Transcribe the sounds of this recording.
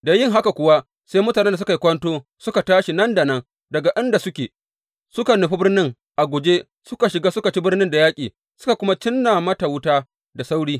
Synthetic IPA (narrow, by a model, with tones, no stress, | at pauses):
da˨jɪ˦ŋɦa˦ka˨kʷʊ˨wa˦ | sa˦jmʊ˦taː˨ne˦nda˨s̬ʊ˦ka˨ji˦kʷɐ˦ntoː˦sʊ˦ka˨taː˦ʃi˨nɐ˦nda˨nɐ˦ŋ | dɐ˨ɡa˨ʔɪ˦nda˨sʊ˦kʲeː˨ | sʊ˦ka˨nʊ˨ɸi˦bɪ˦rnɪ˦ŋ | ʔa˨ɡʷʊ˨d͡ʒeː˦ | sʊ˦ka˨ʃɪ˨ɡaː˦sʊ˦ka˨t͡ʃi˦bɪ˦rnɪ˦nda˨jaː˦kʲʼiː˨ | sʊ˦ka˨kʷʊ˦ma˦t͡ʃɪ˦nːaː˨mɐ˦ta˨wʊ˦taː˦ | da˨sa˦wɽiː˦